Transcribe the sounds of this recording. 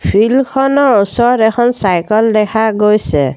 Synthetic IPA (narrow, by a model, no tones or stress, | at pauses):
pʰilmkʰɔnɔɔsɔɾɛkʰɔnsajkɔld̪ɛkʰaɡojsɛ